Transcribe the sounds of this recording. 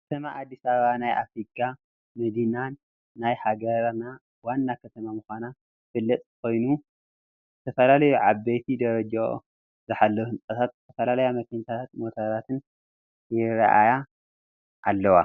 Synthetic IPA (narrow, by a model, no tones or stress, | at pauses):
kkt̪ʰɐmaʔad̪ːisɐβɐβanajʔa̰fɾikʰːa | mɐd̪inanː | ajħaɡɐɾna | wanːakʰɐt̪ʰɐmamuxana | fɨlːɐt̪ʼko̞jnu | zɨt̪ʰɐfɐlalɐjuʕabejt̪ʰid̪ɐɾɐd͡ʒa̰ | zɨħalːɐwuhɨnt͡sʼɐt̪ʰat̪̚zɨt̪ʰɐfɐlalɐjamɐkʰɐɲt̪ʰat̪ʰat̪̚mo̞t̪ʰɐɾat̪ʰɨn | jɪɾa̰ʔa̰ja | ʔalːɐwa̰